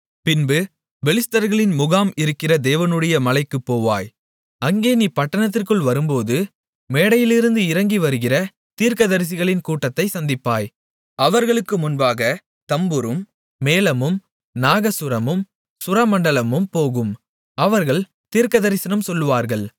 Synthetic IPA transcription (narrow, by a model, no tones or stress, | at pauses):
pɪnbɯ | ʋɛlɪst̪ɐɾɣɐɭɪnmʊɣaːmɪɾɯkːɪrɐd̪eːʋɐnɯɽɐjɐmɐlɐɪkːɯpːoːʋa̰ːj | ɐŋɡeːnipɐʈːɐɳɐt̪̬ːɪrkɯɭʋɐɾɯmpoːðɯ | meːɽɐjɪlɪɾɯnd̪ɯɪɾɐŋɡiʋɐɾɯɣɪrɐ | t̪iːɾkɐðɐɾɪs̬ɪɣɐɭɪnkuːʈːɐt̪ːɐɪsɐnd̪ɪpːaːj | ɐʋɐɾɣɐɭɯkːɯmʊnbaːɣɐ | t̪ɐmbɯɾɯmː | eːlɐmɯm | naːɣɐsʊɾɐmɯm | sʊɾɐmɐɳɖɐlɐmɯmpoːɣɯm | ɐʋɐɾɣɐɭ | t̪iːɾkɐðɐɾɪsɪnɐmsɔlːɯʋaːɾɣɐɭ